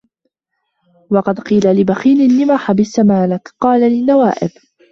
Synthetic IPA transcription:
wɑqɑd̪qiːlalɪbaxiːnɪnlɪmaħabɪsamaːlakqɑːlalɪnːawa̰ːʔɪb

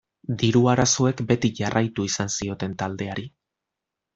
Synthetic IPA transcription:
d̪iɾuaɾaso̞e̞kbe̞t̪iʝarʔajt̪uisansio̞t̪e̞nt̪ald̪e̞aɾi

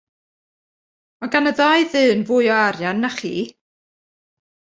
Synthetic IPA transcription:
maɡanəðajðɨːnvʊjɔaɾjanːaχiː

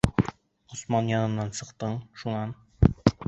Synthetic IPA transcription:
ŏsmɑnjɒnɤ̆nːɑnsɤ̆qt̪ɤɴʃunɑn

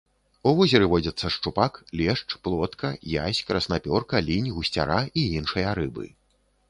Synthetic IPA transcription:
uvɔzʲɐɾɨvɔd͡zʲɐt̪sːɐʂt͡ʂupaklʲɛʂt͡ʂplˠɔt̪kɐjasʲkɾɐsnapʲɔrkɐlʲinʲɣusʲt͡sʲa̰ɾʔaiinʂɨjɐɾɨbɨ̰

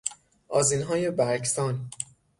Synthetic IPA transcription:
ʔɒːzinɦɒːjebæɾkʰst̪ɒːn

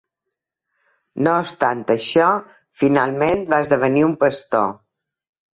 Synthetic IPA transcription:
nost̪ant̪əʃɔ | finalˠmẽnt̪̚βazðəβəniumpəst̪o̰

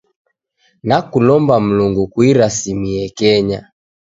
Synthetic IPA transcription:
nakulɔmbam̩luŋɡukwiɾasimiɛkɛɲa

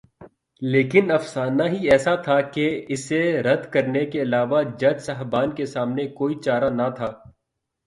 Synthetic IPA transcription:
leːkɪnɐfsaːnaɦiɛːsat̪ʰakeɪseɾɐd̪kɐɾnekeɐlaːʋad͡ʒɐd͡ʒsɐɦbaːnkesaːmnekoːit͡ʃaːɾanat̪ʰaː

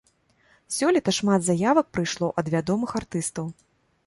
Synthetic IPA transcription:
sʲɔlʲɛt̪ɐʂmad̪zajavɐk̚pɾɨjʂlˠɔʔɐd̪vʲad̪ɔmɨxart̪ɨst̪ɐw

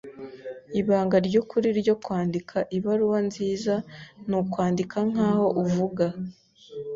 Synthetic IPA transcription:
iβaːŋɡaɾɟokuɾiɾɟo̞kwaːndikʰaʔiβaɾuwanziːzanukwaːndikʰaŋ̥aːho̞ʔuvuɡa

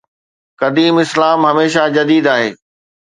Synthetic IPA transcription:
kɐd̪iːmɪslaːmɦɐmeːʃ̬ad͡ʑɐd̪iːd̪aːɦeː

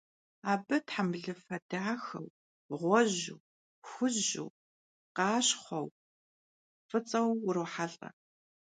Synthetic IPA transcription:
aːbɐtħamɮɨfɐdaːxɐ̰w | ʁʷɔʑuw | xʷʊʑɪ̰w | qɑːɕχʷɔw | fʼɨt͡sʼɐwʊɾowħaɬʼɐ̰

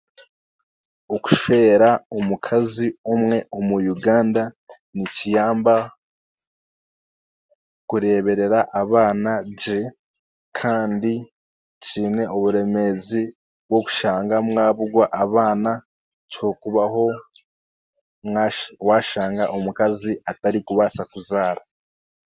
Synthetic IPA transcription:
oku̥ʃwe̞ːɾaomukʰaziomŋe̞ʔo̞mujuɡaːnda | nicijaːmba | kuɾe̞ːβe̞ɾe̞ɾaʔaβaːnaɟe | kʰaːndi | ciːne̞ʔoβuɾe̞me̞zi | βwo̞ku̥ʃaːŋɡamŋaːβuɡwaʔaβaːna | t͡ʃokuβaɦo̞ | mawaːʃaːŋɡaʔomukaziʔataɾikuβat͡sakuzaːɾa

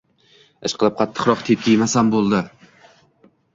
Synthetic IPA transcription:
ɪʃqʰɨlˠɪp̚qʰɑt̪ʰːɨ̥χɾɒqt̪ʰep̚kʲajmasambolˠd̪ɪ

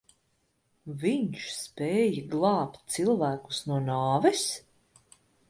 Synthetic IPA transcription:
viɲʃspeːjiɡlˠɑːpt̪ʲt̪silˠvæːku̥snuɔnɑːvɛs

